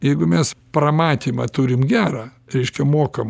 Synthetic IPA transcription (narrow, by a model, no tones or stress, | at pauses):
jɛɪɡʊmʲɛspɾɐmɑːt̪ʲiːmɐt̪uɾʲɪmɡʲæːɾɑɾʲɛɪʃʲkʲɛmoːkɐm